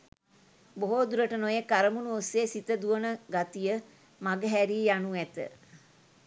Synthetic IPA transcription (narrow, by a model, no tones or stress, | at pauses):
boɦoːd̪uɾəʈənojekaɾəmunuosːeːsit̪əd̪uʋənəɡat̪ijə | maɡəɦæɾijanuæt̪ə̰